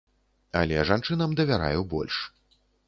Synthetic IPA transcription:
ɐ̰lʲɛʐant͡ʂɨnɐmd̪ɐvʲaɾa̰jɛwbɔ̰lʲʂ

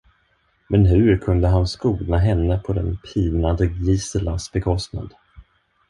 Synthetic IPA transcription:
mɛnɦɵɾkʰɵnd̪əɦanskuːɡ̪naɦɛnːəpʰɔd̪ɛ̰npʰiːnand̪əɡiːsəlasbɛkʰɔst̪na̰d̪

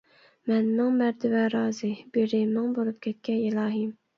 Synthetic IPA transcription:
mɛnmɪŋmæɾd̪ɪvɛɾɑːzɨbeɾɪmɪŋbolˠup̚kʲʰɛt̪̚kʲʰɛilˠɑːɦim

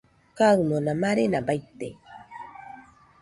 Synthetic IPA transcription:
kawmonamaɾenabajt̪ḛ

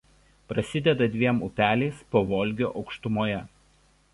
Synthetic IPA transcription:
pɾɐsʲɪd̪ʲɛd̪ɐd̪ʲʋʲiɛmʊpʲæːlʲɛɪspoːʋɔːlʲˑɡʲoːʔɒʊkʃt̪ʊmoːjɛ

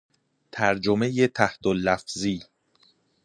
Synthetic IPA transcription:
t̪ʰæɾd͡ʒomejet̪ʰæht̪ʰolːæfziː

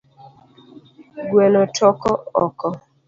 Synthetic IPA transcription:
ɡwɛnɔtɔkɔɔkɔ

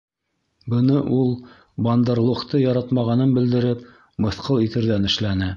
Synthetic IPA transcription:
bɤ̆nɤʔulˠ | bɑnd̪ɑɾlˠuχt̪ɤjɑɾɑt̪mɑʁɑnɤnbɘ̆ld̪ɘ̆ɾɘp | mɤ̆θqɤlˠit̪ɘ̆ɾðænɘ̆ʃlænɘ

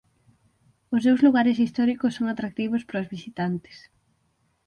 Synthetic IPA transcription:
ʊs̬ewzluɣaɾesist̪ɔɾikosːoŋat̪ɾak̚t̪iβ̞ospɾozβisit̪ant̪e̥s

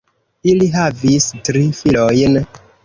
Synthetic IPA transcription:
iliɦavistɾifilojn

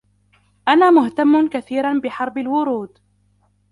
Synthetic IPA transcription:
ʔanaːmʊht̪amːʊnkaθiːɾanbɪħɑɾˤbalwʊɾuːd̪

